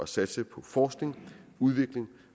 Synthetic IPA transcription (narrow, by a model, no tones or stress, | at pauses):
ɒ̽sæd̥səpʰɒ̽fɒːsɡ̥ne̝ŋuðˠʋe̝ɡ̥le̝ŋ